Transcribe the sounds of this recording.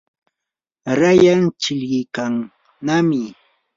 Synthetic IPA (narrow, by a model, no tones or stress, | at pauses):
ɾajaŋt͡ʃɪʎɢɪjkaŋ | namɪ